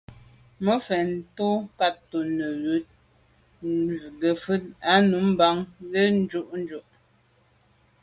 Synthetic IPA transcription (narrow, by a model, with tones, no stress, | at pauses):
mə˦fɛ˨n̩˦to˦ka˦tːo˨nə˨jʉ˨˦t̚ | ɡə˨fʉ˦t̚a˦nu˨˦m̩˦ba˦ŋɣe˦n̩˦d͡ʒu˦ʔn̩˦d͡ʒu˨ʔ